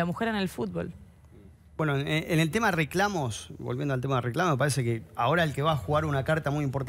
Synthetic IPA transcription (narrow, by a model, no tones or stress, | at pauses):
amuxeɾenelfut̪̚βo̰l | bwenoeʔenelt̪emaðereklamosbolβjendoalt̪emaðereklamomepaɾesekeao̞ɾaelkeβaːxuɣaɾunakaɾt̪amujimpoɾt̪